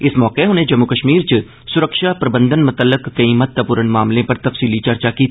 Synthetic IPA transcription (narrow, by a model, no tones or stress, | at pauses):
ɪsmɔːqeɦʊnẽd͡ʒɐmːukəʃmiːɾt͡ʃ | sʊɾəkʃapɾɐbə̃nd̪ənmʊt̪əlːɪkːɐĩmɐt̪ːəpʊɾənmaːmlẽpɐɾt̪ɐfsiːlit͡ʃɐɾt͡ʃakiːt̪